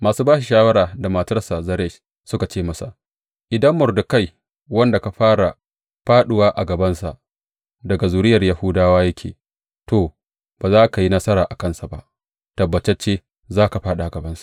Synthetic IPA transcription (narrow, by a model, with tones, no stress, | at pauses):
maː˨suː˦baː˦ʃi˨ʃaː˦wɐ˦ɾaː˨da˨ma˨tɐ˦rsa˨zɐ˦ɾɛ˦˨ʃ | sʊ˦ka˨t͡ʃeː˦˨mɐ˦sa̰˨ | ʔɪ˨dɐ˦mːʊ˨rdʊ˨ka˦j | wɐ˦nda˨ka˨ɸaː˦ɾa˨ | ɸaː˦ɗʊ˦waː˦ʔa̰˨ɡɐ˨bɐ˦nsa̰˨ʔ | dɐ˨ɡa˨zuː˨ɾɪ˦jɐ˨rja˨huː˦daː˦waː˦jɐ˦kʲʰḛː˨ | to˨ | b̥aː˨zaː˦ka˨ji˦nɐ˦sɐ˦ɾaː˨ʔa˨kɐ˦nsa˨ba̰˦ʔ | tɐ˨bːɐ˨t͡ʃɛ˦t͡ʃeː˦ | zaː˦ka˨ɸaː˦ɗa˨ɡɐ˨bɐ˦nsḁ˦˨